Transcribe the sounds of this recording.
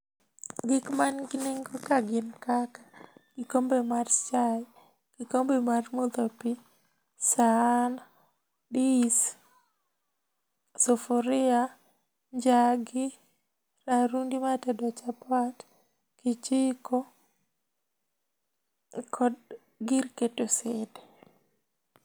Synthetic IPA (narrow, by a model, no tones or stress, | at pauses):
ɡɪkmanɡɪniŋɡokaɡɪnkakḁɡ̥ɪkombemart͡ʃaj | ɡ̥ɪkombemarmod̪opi | sana | dis | sofoɾɪa | ɲd͡ʒaɡɪ | ɾaɾundimatɛdɔt͡ʃapat | kit͡ʃiko | kʰɔd | ɡiɾketosede